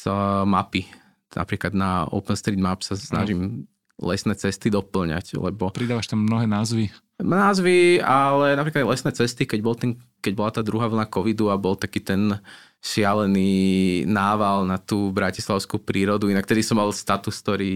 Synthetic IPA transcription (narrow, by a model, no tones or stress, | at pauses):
zmapi | na̰pɾiːklad̪naɔ̰ʊpɛnst̪ɾiːd̪mapsasna̰ʒim | lɛ̰snɛːt͡sɛst̪id̪ɔpl̩ɲa̰ɟlɛ̰bɔpɾid̪aːʋaʃt̪amːnɔɦɛːnaːzʋi | mnaːzʋialɛnapɾikalɛsnɛːt͡sɛst̪ikɛɟbɔlt̪ɛnkɛɟbɔlat̪aːd̪ɾuɦaːʋl̩nakɔʋid̪uabɔlt̪akiːt̪ɛn | ʃɪalɛniːnaːʋalnat̪uːbɾacislaʊskupɾiːɾɔd̪uinak̚t̪ɛd̪isɔmːalst̪at̪uskt̪ɔɾiː